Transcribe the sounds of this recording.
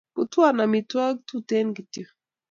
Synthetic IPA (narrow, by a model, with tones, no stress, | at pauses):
ku˨tu˦a˦na˨mi˨twa˦ɡ̚tu˦te˦nɡi˨ti˦˨